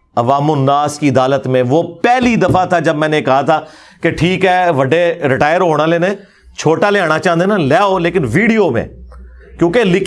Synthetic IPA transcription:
ɐʋaːmʊnːaːskiɐd̪aːlət̪mẽʋoːpɛːlid̪ɐfat̪ʰaːd͡ʒɐbmɛ̃ːnekɐɦat̪ʰaː | keʈʰiːkɦɛːʋɐɖeɾɪʈaːjəɾɦoːɽ̃aːleːnẽ | t͡ʃʰoːʈaːleaːɽ̃at͡ʃãːə̃nd̪enalɛːoːleːkɪnʋiːɖijoːmḛ̃ːkjõːkelɪk

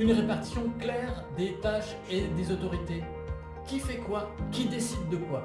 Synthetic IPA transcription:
ynʁepaʁt̪i̥sjɔ̃klɛʁ | d̪et̪aʃ | ed̪ezot̪ɔʁit̪e | kʲifɛkwakʲid̪esid̪ːəkwa

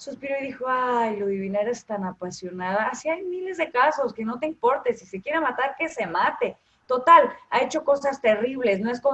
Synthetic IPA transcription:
suspiɾoiðixo̞ajloðiβinaɾest̪anapasjo̞naðaːsiajmile̞zðe̞kaso̞ske̞no̞t̪eimpo̞ɾt̪esisekjeɾemat̪aɾke̞se̞mat̪e | t̪o̞t̪ala̰e̞t͡ʃo̞ko̞sast̪e̞riβ̞le̞sno̞e̞sko

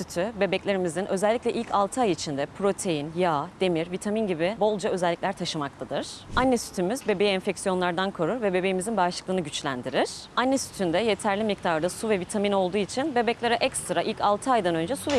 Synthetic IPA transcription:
syt̪ʰybe̞bɛclʲe̞ɾimizinʔø̞zɛlʲːicʲlʲɛʔilʲcʰalˠt̪ʰɯajit͡ʃʰind̪ɛpʰɾo̞t̪ʰe̞jinjaːd̪̥e̞miɾvit̪ʰaminɟibibo̞lˠd͡ʒaø̞zɛlʲːiclʲæɾt̪ʰaʃɯmak̚t̪ʰad̪ɯɾ̥anːɛsy̥t̪ʰymyzbe̞bejiɛnfɛcsijo̞nlˠaɾd̪ankʰo̞ɾuɾvɛbe̞be̞jimizinbaʃlˠɯ̥klˠɯːnɯɟyt͡ʃlʲæ̰nd̪iɾɪɾ̥anːɛsy̥t̪ʰynd̪ɛje̞t̪ʰæɾlʲimic̚t̪ʰaɾd̪asuvɛvit̪ʰamino̞lˠd̪uːit͡ʃʰinbe̞bɛclʲeɾɛʔɛcst̪ɾaʔilʲcʰalˠt̪ʰɯajd̪anø̞nd͡ʒɛsuvɛ

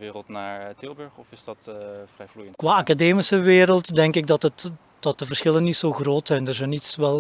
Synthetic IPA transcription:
ʋɪːrəlˠtnaːɹtɪlˠbɵɹχɔfɪzdɑtvrɛjvlujəntkʋaːakadeːmisəʋeːɾəlˠtdɛŋkɪɡ̚dɑtət | d̥ɑt̚d̥əvərsxɪlənːitsoːɣroːtsɛjndərzɛjnitsʋɛlˠ

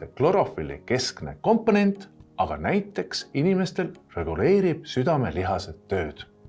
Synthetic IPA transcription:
eklo̞ɾo̞filḭke̞skne̞̰ko̞mpːo̞ne̞nʲt̪ˑɑɡ̥ɑnæjt̪ːˑe̞ksinime̞st̪e̞lre̞ɡ̥ule̞ːɾib̥̚syd̪̥ɑme̞liɦɑse̞t̪ːø̞ːd̪̥

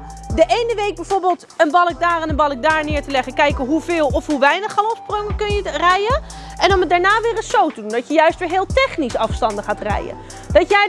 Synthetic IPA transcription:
dəʔejnəʋejɡ̚bɛjvoːɹbəːlˠt | ənbɑlˠək̚daːrɛnənbɑlˠək̚daːɹnɪːɹtəlɛχəkɛjkəɦuvɪːlˠɔfɦuʋɛjnəχalˠɔfsprɔŋəkɵnjərɛjə | ɛnɔmədaːɹnaːʋɪːrəsowtədundɔtjəjœɥstʋɪːɹɦɪːlˠtɛχnisɑfstɑndəχaːtrɛ̰jə̰ | d̥ɑtjɛj

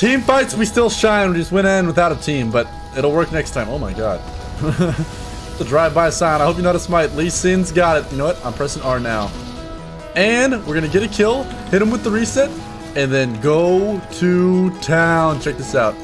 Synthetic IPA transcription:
tʰĩmfaɪtswistɪlˠʃãɪ̃nwd͡ʒʌst̚wɪ̃nɪ̃nwəθaʊɾətʰĩmbʌɾ | ɪɾl̩ˠwɜ˞k̚nɛkstʰãɪ̃moʊmaɪɡɑ̰d̥̚ | tɨdɹaɪvbaɪɨsãɪ̃ñaɪhoʊpjɨnoʊɾɨsmaɪtˡlisɪ̃nzɡɑɾɨt̚jɨnoʊwʌɾã̰ɪ̃mʰpʰɹ̥ɛzə̃n̩ɑɹnaʊ | ɨ̃nwɪɹɡʌnɨɡɛɾɨkʰɪlˠ | hɪɾɨ̃mwɨðəɹisɛt | ɨ̃nðɨ̃nɡoʊɾʰɨtʰãʊ̃nt͡ʃʰɛk̚ðɪsaʊt̚

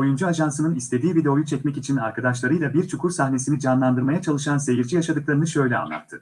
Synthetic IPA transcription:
o̞jund͡ʒuaʒansɯnɯnist̪ʰe̞d̪iːvid̪eo̞jut͡ʃʰɛcmɛcit͡ʃʰina̰ɾkad̪aʃlˠaɾɯjlˠabiɾt͡ʃʰukʰuɾsahne̞sinid͡ʒanlˠand̪ɯɾmajat͡ʃʰalˠɯʃanse̞jiɾd͡ʒijaʃad̪ɯklˠaɾɯnɯʃø̞jlʲɛa̰nːˠa̰t̪ʰːɯ

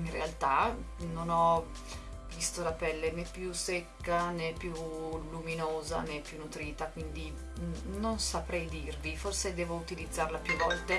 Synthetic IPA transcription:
inrealt̪anonɔ | vist̪olapɛlːenɛpːjusekːanepːjuluminoːza̰nepːjunːut̪ɾiːt̪akwind̪i | nonsapɾɛjd̪irviforsed̪ɛːvout̪ilid̪zːarlapjuvːɔlt̪e

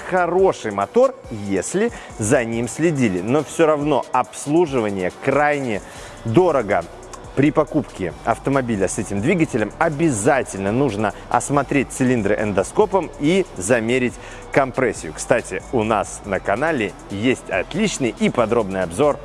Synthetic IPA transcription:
xɐɾo̞ʂɨjmɐt̪o̞rjesʲlʲɪ | zɐnʲimsʲlʲɪdʲilʲɪno̞fsʲoɾɐvno̞ɐpslˠuʐɨvənʲɪjəkɾajnʲɪ | d̪o̞ɾəɡə | pɾʲɪpɐkupkʲɪɐ̰ft̪əmɐbʲilʲəsɛtʲɪmd̪vʲiɡətʲɪlʲəmɐbʲɪzatʲɪlʲnənuʐnəɐ̰smɐt̪ɾʲet̚ʲt̪sɨlʲind̪ɾɨʔɛnd̪ɐsko̞pəmizɐmʲeɾʲɪtʲ | kɐmpɾɛsʲːɪjʊkst̪atʲɪʊnasnəkɐnalʲɪ | jesʲtʲɐ̰t̪lʲit͡ɕnɨjipɐd̪ɾo̞bnɨjɐbzo̞r

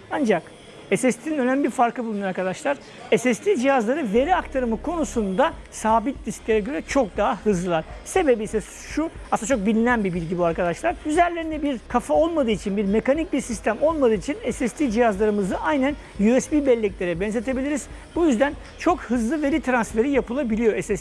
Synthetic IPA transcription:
and͡ʒak | ɛsɛst̪ʰiinønæmʲibiɾfaɾkʰɯbulˠunoɾaɾkʰad̪aʃlˠaɾ | ɛsɛst̪ʰʲid͡ʒihazlˠaɾɯve̞ɾiakt̪ʰaɾɯmɯkʰo̞nusund̪asaːbit̪̚lʲisklʲeɾɛɟøɾɛt͡ʃʰo̞k̚d̪aɦahɯzlˠɯlˠaɾse̞be̞bisɛs | ʃuasˠat͡ʃʰok̚bilʲinænbibilʲɟibuaɾkad̪aʃlˠaɾyzæɾlʲe̞ɾind̪ɛbiɾkʰafao̞lˠmad̪ɯːit͡ʃʰinbiɾmekanic̚biɾsist̪ʰæmo̞lˠmad̪ɯːit͡ʃʰinɛsɛst̪ʰiːd͡ʒihazlˠaɾɯmɯzd̪aʔajnæn | jyɛsbiːbɛlʲːɛcʲlʲe̞ɾɛbɛnze̞t̪ʰe̞bilʲiɾiz̥bujyzd̪æn | t͡ʃʰo̞khɯzlˠɯve̞ɾit̪ʰɾansfe̞ɾijapɯlˠabilʲijo̞ɛsɛs

